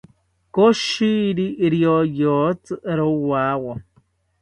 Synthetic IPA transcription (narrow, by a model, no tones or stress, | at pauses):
koʃiɾiɾiojot͡sɨɾowawɔ